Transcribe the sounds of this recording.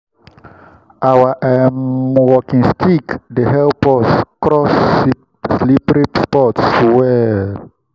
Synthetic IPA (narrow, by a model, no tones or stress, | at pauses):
ʔawaʔamwɔkĩŋstʰikdeɦɛlpɔskɹɔs | slipɾipspɔtswɛl